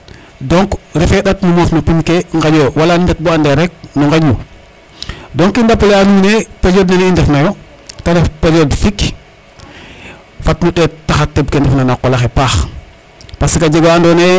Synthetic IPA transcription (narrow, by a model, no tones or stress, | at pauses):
doŋkɾifeɗatnumoːfnupinkeŋɡaɟoːwalanindet̚buandeɾɛk̚nuŋɡaɟu | doŋkindapoleanunepeloːdnanindɛfnajo | taɾefpelodfik | fatnuɗɛttːaxatːeb̚kendɛfnanakolaxepaːx | pasikaɟeɡoandone